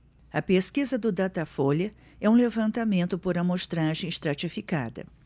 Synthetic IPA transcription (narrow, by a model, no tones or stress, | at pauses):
ɐpeskizɐd̪ʊd̪at̪afoljɐ | ɛũlevɐ̃nt̪amẽnt̪ʊpoɾɐmoʃt̪ɾaʒẽj̃st̪ɾat͡ʃifika̰d̪ɐ̰